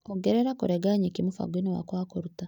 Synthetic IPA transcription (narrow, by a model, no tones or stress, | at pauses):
oɡeɾeɾakuɾeɡaɲikimufa̰ɡwinowa̰kwaːkoɾuta